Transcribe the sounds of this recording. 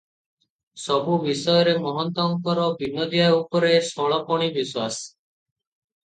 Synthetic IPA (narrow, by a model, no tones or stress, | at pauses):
sɔbubisɔjɔɾemɔɦɔnt̪ɔŋkɔɾɔbinːɔd̪ijaupɔɾesɔɭɔpɔɽ̃ibiswas